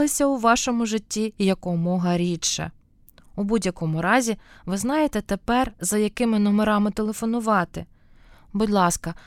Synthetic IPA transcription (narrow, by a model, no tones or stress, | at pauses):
ɪsʲɐʊʋɑʃɔmʊʒɪtʲːijɐkɔmɔɦɐɾʲit͡ʃːɐ̰ | ubudʲjɐkɔmʊɾɑzʲiʋɪznɑjet̪ɛt̪e̞pɛrzɐjɐkɪmɪnɔmeɾɑmɪt̪elˠe̞fɔnʊʋɑt̪ɪ | bʊdʲlˠɑskɐ